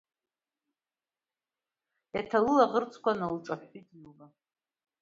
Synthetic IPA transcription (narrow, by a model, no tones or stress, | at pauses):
jatʰalɨlaʁərt͡sʰʼkʷanalʈ͡ʂʼaħijtʼjula